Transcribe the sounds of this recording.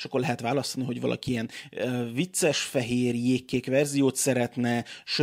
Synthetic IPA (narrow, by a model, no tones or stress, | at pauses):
ʃɒkːo̞rlɛɦɛt̪ʋaːlɒst̪ɒniɦo̞ɟvɒ̰lʔɒ̰kiiɛnøvit̪sɛʃfɛɦeːrjeːkːeːkʋɛrzijoːt̪sɛɾɛt̪nɛʃø